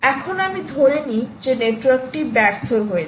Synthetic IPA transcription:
ɛkʰonamid̪ʱoɾenid͡ʑeneʈwaɾk̚ʈibɛɾt̪ʰoɾɦoe

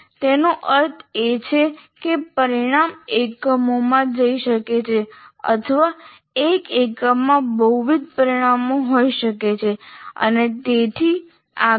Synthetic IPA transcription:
t̪enoʔəɾt̪ʰet͡ʃʰekepəɾiɽ̃amekəmomãd͡ʒəiʃəket͡ʃʰeə̰t̪ʰəʋa | ekekəmːãbəuʋid̪̚pəɾiɽ̃amoɦoiʃəket͡ʃʰeə̰net̪et̪ʰi | a

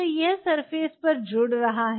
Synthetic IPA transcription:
ojɛɦsɐɾfeːspɐɾd͡ʒʊːɽɾɐɦaɦ

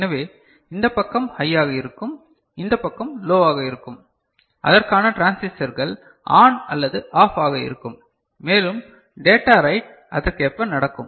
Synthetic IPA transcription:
nɐʋeː | ɪnd̪ɐpːɐkːɐmhɐjːaːɣɐɪɾɯkːɯm | ɪnd̪ɐpːɐkːɐmloːaːɣɐɪɾɯkːɯm | ʔɐ̰ðɐrkaːnɐʈɾaːnsɪsɐɾɣɐɭ | ʔa̰ːnɐ̰lːɐðɯʔaːfaːɣɐɪ̰ɾɯkːɯmː | eːlɯm | ɖeːʈaːɾɐɪʈ̚ | ɐðɯkepːɐnɐɽɐkːɯ̰m

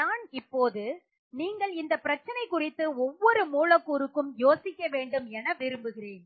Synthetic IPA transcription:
naːnɪpːoːðɯ | niːŋɡɐɭɪnd̪ɐpɪɾɐt͡ʃːɐnɐɪkːʊrɪt̪ːɯɔʋːɔɾɯmuːlɐkːuːɾɯkːɯmjoːsɪkːɐʋeːɳɖɯmɛnɐʋɪɾɯmbɯɣɪɾeːn

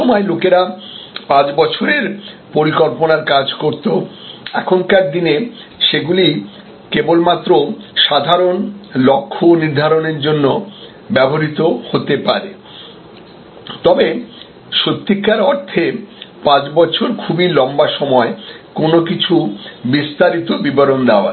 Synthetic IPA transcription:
omɔelokeɾapãt͡ɕbɔt͡ɕʰoɾeɾ | poɾikolponaɾkad͡ʑkoɾt̪oɛkʰonkaɾ̚d̪ine | ʃeɡuli | kebolmat̪ːɾoʃad̪ʱaɾonlokʰːoniɾd̪ʱaɾoneɾd͡ʑonːo | bɛboɾit̪ohot̪epaɾe | t̪ɔbe | ʃot̪ːikːaɾɔɾt̪ʰepãt͡ɕbɔt͡ɕʰoɾkʰubilɔmbaʃɔmɔekonokit͡ɕʰubist̪aɾit̪obibɔɾond̪eoa̰

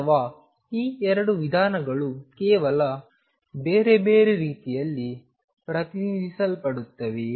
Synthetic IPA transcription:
ʋaː | iːɛɾɐɽuʋid̪ʱaːnɐɡɐɭukɛːʋɐlɐ | beːɾe̞beːɾeɾiːt̪ijɐlːi | pɾɐt̪inid̪ʱisɐlpɐɽut̪ːɐʋe

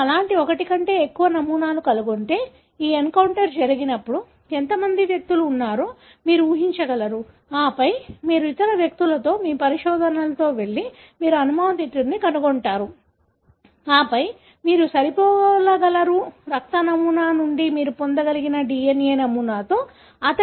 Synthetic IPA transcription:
ɐlaːɳʈiɔkɐʈikɐɳʈe̞ːekːuʋɐnɐmuːnaːlukɐluɡoɳʈe̞ː | iːeŋkɐwɳʈɐɾd͡ʒɐɾiɡinɐpːuɽu | ent̪ɐmɐnd̪iʋjɐk̚t̪uluːnːaːɾu | miːɾuuːɦiɲt͡ʃɐɡɐlɐɾu | aːpɐjmiːɾuit̪ɐɾɐʋjɐk̚t̪ulɐt̪o̞ːmiːpɐɾiʃɔːd̪ʱɐnɐlɐt̪o̞ːʋe̞ɭːi | miːɾuɐnumaːɐt̪iʈːiɾnikɐnuɡoɳʈaːɾu | aːpɐj | miːɾusɐɾipɔːlɐɡɐlɐɾuɾɐk̚t̪ɐnɐmuːnaːnuɳɖimiːɾupond̪ɐɡɐliɡinɐɖiːeneːnɐmuːnaːt̪o̞ː | ɐt̪ɐ

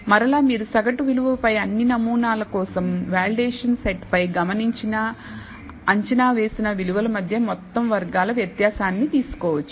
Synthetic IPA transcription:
mɐɾɐlaːmiːɾusɐɡɐʈuʋiluʋɐlɐpɐjɐnːinɐmuːnaːlɐkɔːsɐmʋaːliɖeːʂɐnseʈpɐjɡɐmɐniɲt͡ʃinɐ | ɐɲt͡ʃɐnaːʋe̞ːsinɐʋiluʋɐlɐmɐd̪ʱjɐmɔt̪ːɐmʋɐɾɡaːlɐʋjɐt̪jaːsaːnːit̪iːsu̥kɔːʋɐt͡ʃːu̥

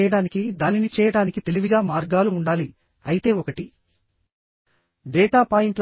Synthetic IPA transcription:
jɐɽaːnikid̪aːninit͡ʃɛːjɐɽaːnikit̪e̞liʋiɡaːmaːɾɡaːluːɳɖaːli | ɐjit̪e̞ːɔkɐʈi | ɖɛːʈaːpaːjiɳʈl

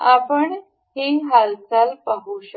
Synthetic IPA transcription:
apəɳ | hiːɦalt͡salpaɦuɕə

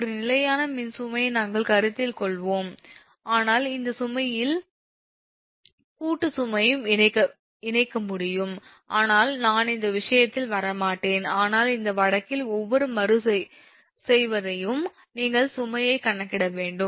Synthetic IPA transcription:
ɔɾɯnɪlɐjaːnɐmɪnsʊmɐjnaːŋɡɐɭkɐɾɯt̪ːɪlkɔɭʋoːm | aːnaːlɪnd̪ɐsʊmɐjɪl | kuːʈːɯsʊmɐjɯmɪɐkːɐ | ɪnɐɪkːɐmʊɽɪjɯm | ʔaːnaːlnaːnɪnd̪ɐʋɪʂɐjɐt̪ːɪlʋɐɾɐmaːʈːeːnaːnaːlɪnd̪ɐʋɐɻɐkːɪlɔʋːɔɾɯmɐɾɯsɐ | sɛjʋɐðɐjɯm | niːŋɡɐɭsʊmɐjɐɪkːɐɳːɐkːɪɽɐʋeːɳɖɯm

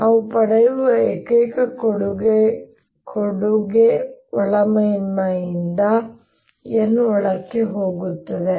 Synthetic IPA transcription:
ɐʋupɐɽɐjuʋɐekɐjkɐkoɽuɡe | kʰoɽuɡeɔɭɐmɐjinːɐind̪ɐ | enːuɔɭɐkːeɦoːɡut̪ːɐd̪e

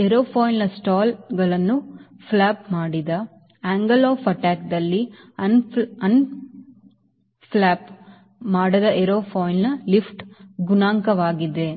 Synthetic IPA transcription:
eɾoːpʰoːjnnɐsʈaːlɡɐɭɐnːuflaːp̚maːɽid̪ɐ | aːŋɡɐloːfɐʈaːk̚d̪ɐlːi | ɐnɐn | plaːp | maːɽɐd̪ɐʔɛɾoːpʰoːjnnɐlifʈɡunaːŋkɐʋaːɡid̪e̞

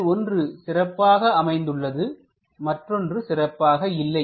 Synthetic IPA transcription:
ɔndrɯsɪrɐpːaːɣɐɐmɐɪnd̪ɯɭːɐðɯ | mɐʈrɔndrɯsɪrɐpːaːɣɐɪlːɐɪ

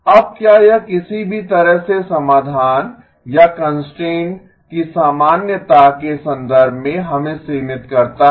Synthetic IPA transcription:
ɐb̚kjajakɪsibʱit̪ɐɾəɦsesɐmaːd̪ʱaːn | jakɐ̃nsʈɾẽːɳʈ | kisaːmaːnjət̪akesɐ̃nd̪əɾbʱmẽɦɐmẽseːmɪt̪kɐɾt̪a

